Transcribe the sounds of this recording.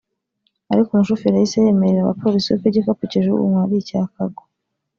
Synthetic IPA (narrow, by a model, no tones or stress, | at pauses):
aɾikumuʃufiɾahiseje̞me̞ɾeɾaβa̰pʰo̞ɾisiwḛpeɟekapuceʒuṵŋwaβicakaɡo